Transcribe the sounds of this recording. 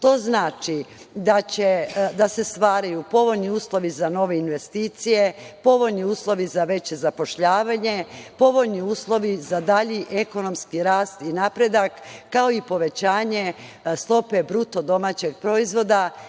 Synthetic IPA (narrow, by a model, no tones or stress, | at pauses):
t̪o̞znaːt͡ʃid̪at͡ɕed̪ase̞st̪ʋaːɾajupo̞ʋo̞ʎniuːslˠo̞ʋizano̞ʋe̞inʋe̞st̪iːt̪sije̞po̞ʋo̞ʎniuːslˠo̞ʋizaʋe̞t͡ɕe̞zapo̞ʃʎaːʋaɲe̞po̞ʋo̞ʎniuːslˠo̞ʋizad̪aʎiʔe̞ko̞no̞mskiɾaːst̪inapɾe̞d̪akːao̞ipo̞ʋe̞t͡ɕaːɲe̞st̪ˠo̞pe̞bɾut̪o̞d̪o̞mat͡ɕeɡ̚pɾo̞izʋo̞d̪a